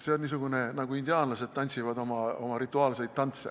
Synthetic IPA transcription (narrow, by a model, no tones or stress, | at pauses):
se̞onʲːiːs̬uɡunenɑɡ̥uind̪iɑːnlɑse̞d̪̥̚t̪ɑnʲsivɑd̪o̞mɑo̞̰mɑɾit̪ːˑuɑːlsejt̪̚t̪ːɑnt̪se